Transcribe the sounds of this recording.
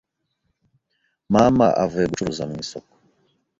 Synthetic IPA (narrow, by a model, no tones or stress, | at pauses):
mama̰ʔa̰vɛɡut͡ʃuɾuzamisɔkɔ̥